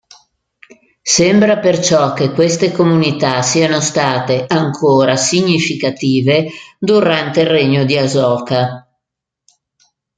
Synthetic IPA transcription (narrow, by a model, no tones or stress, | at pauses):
sembɾapert͡ʃɔk̟ːekːwest̪ekomunit̪asianost̪aːt̪eaŋkʰoːɾasiɲːifikat̪iːved̪uɾant̪eirreɲːod̪iazɔːka